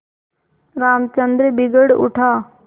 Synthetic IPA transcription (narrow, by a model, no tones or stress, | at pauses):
ɾaːmt͡ɕənd̪ɾebɪɡəɽʊ̰ʈʰaː